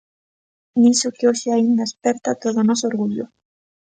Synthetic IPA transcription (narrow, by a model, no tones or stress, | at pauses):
nisokeoʃeaind̪aespeɾt̪at̪oðonosooɾɣuʎo